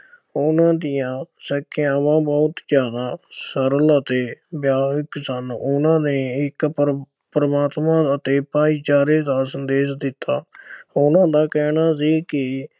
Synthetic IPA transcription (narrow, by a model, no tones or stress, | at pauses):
ʊnãːd̪ɪjãːsəkʰːeãːmãːbɔːt̪d͡ʒjaːd̪aːsəɾələt̪eːbjaːksənʊnãːneːɪk | pɾəmaːt̪mãːət̪eːpaːiːt͡ʃaːɾeːd̪aːsənd̪eːʃd̪ɪt̪ːaːʊnãːd̪aːkɛːnaːsiːkɪ